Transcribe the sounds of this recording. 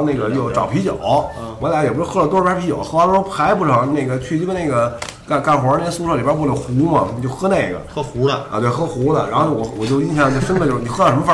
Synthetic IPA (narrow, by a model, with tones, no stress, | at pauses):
ne˥˩ɡə˩jo˥˩ʊʈ͡ʂɑ˨˩ʊpʰi˧˥t͡ɕjo̰˨˩˦ʊ | wla˧˥ɪjɛ˨˩pu˧˥ɻxɤ˥lə˩t̪wɔ˥pʰa˥pʰi˧˥t͡ɕjo̰˨˧˦ʊxɤ˥˧˥o˥pʰa˧˥ɪpu˥˩ʈ͡ʂʰɤ˧˥ŋne˥˩ɪɡə˩t͡ɕʰy˥˩˥ne˥˩ɡə˩ | ka˥˧ka˥˩nxw̪su˥ʈ͡ʂʰli˨˩ba˧˥p̬u˥˩lo˨˩xu˧˥mɐ˨ni˨t͡ɕjo˥˧ʊxɤ˥ne˥˩ɪɡə̰˩˥u˧˥lə̰˧t̪we˥˩ɪxɤ˥xu˧˥lə̰˨ɻa˧˥nxo˥˧˩ʊwɔ˨˩wɔ˨˩t͡ɕjo˥˧ʊi˥ɕjɑ˥˩ŋ˧o˥˩ʊʂə˥nlə˧t͡ɕo˥˩˧ni˨˩xɤ˥lɑ˥˩ʂm˧fa˧